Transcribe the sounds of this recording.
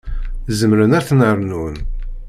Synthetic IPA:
zəmɾənæɾθnəəɾˤnun

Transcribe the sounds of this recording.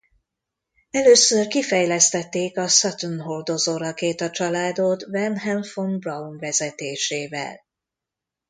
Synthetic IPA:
ɛløːsørkifɛjlɛst̪ɛt̪ːeːkɒsɒt̪unɦord̪ozoːɾɒkeːt̪ɒt͡ʃɒlaːd̪ot̪vɛnɦɛlfonbrɒunvɛzɛt̪eːʃeːvɛ̰l

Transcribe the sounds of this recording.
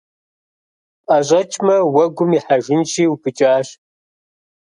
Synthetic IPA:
qʼaʑʷʼɐt͡ʃʰʼmɐwɐɡʷʊmiħaʒɪnt͡ʃʰiːwupʰɨt͡ʃʼaːɕ

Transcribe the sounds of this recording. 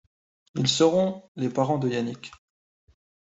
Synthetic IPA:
ilsəʁɔ̃lepaʁɑ̃d̪əjanik

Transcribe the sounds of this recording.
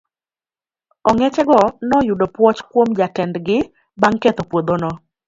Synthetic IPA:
ɔŋɛt͡ʃɛɡɔnɔjʊdopwɔt͡ʃkwomd͡ʒatɛndɡɪ | baŋkɛt̪opwod̪onɔ

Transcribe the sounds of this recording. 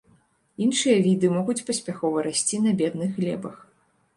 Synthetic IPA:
inʂɨjɐvʲid̪ɨmɔɣut͡sʲpɐsʲpʲaxɔvɐɾasʲt͡sʲinɐbʲɛd̪̚nɨɣɣlʲɛ̰bɐx

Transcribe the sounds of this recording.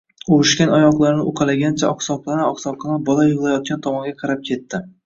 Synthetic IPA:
oʊʃkʲanɒjɒqlˠaɾnɪʊqʰɑlaɡʲant͡ʃʰaɒqsɒp̚qˠanaɒχsɒpqɑnabɒlajʊʁlˠajɒt̪̚kʲant̪ʰɒmɒŋɡʲaqʰɑɾap̚kʲʰe̞t̪ːɪ

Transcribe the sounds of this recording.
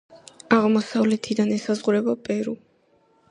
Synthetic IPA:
aʁmɔsavlɛt̪ʰid̪anɛsazʁuɾɛbapʼɛɾu

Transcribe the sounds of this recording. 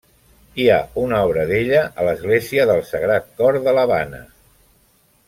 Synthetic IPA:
iaunɔβ̞ɾəðeʎəʔələzɣleziəðəlˠsəɣɾat̪̚kɔɾðələβanə̰

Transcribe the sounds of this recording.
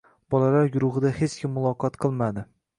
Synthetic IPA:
b̥ɒlalaɾɡʊɾʊʁɨd̪ahet͡ʃkʲʰɪmːʊlˠɒqɒt̪qʰɨlˠmad̪ɪ

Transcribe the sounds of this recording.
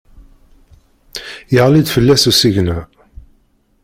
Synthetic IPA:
jəʁlid̪fəlːæsusiʝnæ

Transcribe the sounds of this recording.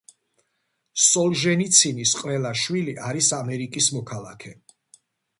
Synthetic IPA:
sɔlˠʒɛnit̪sʰinisqʼvɛlˠaʃwiliʔaɾisamɛɾikʼismɔkʰalˠakʰɛ

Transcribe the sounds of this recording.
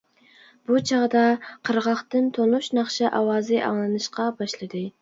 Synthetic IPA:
b̥ut͡ʃʰɑʁd̪ɑqʰəɾʁɑχt̪ɨnt̪ʰonˠuʃnɑχʃɛʔɑwɑːzɨʔɑ̰ŋlˠɨnɨʃqɑbɑʃlˠɨd̪ɨ

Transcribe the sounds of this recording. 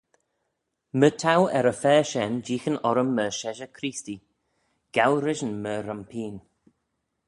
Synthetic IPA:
mətʰawɛ̰ɾəfɛːʃɛnd͡ʒiːxənɔɾəmːəʃɛʒəkʰɾiːsti | ɡ̥awɾɪʒənməɾəmpʰiːn

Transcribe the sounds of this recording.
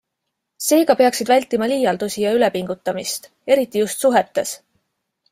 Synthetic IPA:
se̞ːɡɑpe̞ɑksid̪vælʲt̪ːˑimɑliːjɑld̪usijɑyle̞piŋɡ̥ut̪ːˑɑmist̪ | e̞ɾit̪ːˑijust̪suɦe̞t̪ːe̞s

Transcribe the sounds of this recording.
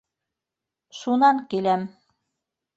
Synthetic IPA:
ʃunɑŋkilæm

